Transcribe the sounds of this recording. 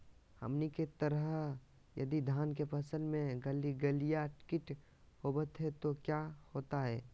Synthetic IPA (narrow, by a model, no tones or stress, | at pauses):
hə̰mniket̪əɾəɦɦ | jɐ̰d̪id̪ʱaːnk̬epɐsə̃nd̪mẽɡəliɡəlijaʈɪ̥kɪʈ | hobət̪ɦɛt̪okjahoːt̪aɦɛː